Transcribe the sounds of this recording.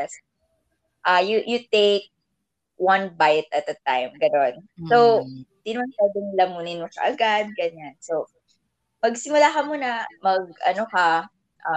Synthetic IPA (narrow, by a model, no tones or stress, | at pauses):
jɛs | ʔajujut̪eɪk̚ | wɐ̃nbajt̪̚ɐt̪̚d̪ɐt̪a̰jmɡɐno̞nsowɪnd̪inɐmansabɪŋlɐmuːnɪnmoʃɐ̰ʔɐɡad̪̚ɡɐɲansow | pɐɡsɪmʊlaːkɐmunɐmɐɡ̚ʔɐ̰nokɐ | ʔa